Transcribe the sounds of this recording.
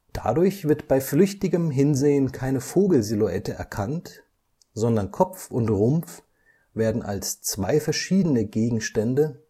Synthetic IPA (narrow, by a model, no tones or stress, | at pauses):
d̥a̰dʊɐçv̥ɪɐtb̥aɪflʏçtɪɡəmɦɪnzeːənkʰaɪnəfoːɡl̩ziluɛtəʔɛ̰ɐkʰant | z̥ɔndɐnkʰɔpp͡fʊntʁʊmp͡f | v̥eːɐdn̩ʔa̰lst͡sv̥aɪfɛɐʃiːdənəɡeːɡŋ̩ʃtɛndə